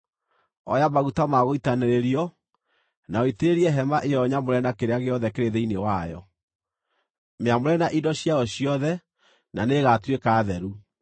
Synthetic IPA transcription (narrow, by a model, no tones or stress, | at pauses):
ɔ̰jamaɣutamaɣoitaneɾeɾiɔ | naɔiteɾiɛɦɛmaʔejɔɲamoɾɛnakeɾeaɣeɔðɛkeɾeðeinewajɔ̰ | meamoɾɛnaʔidɔɕjaɔɕiɔðɛ | naneɣatwekaːðɛɾu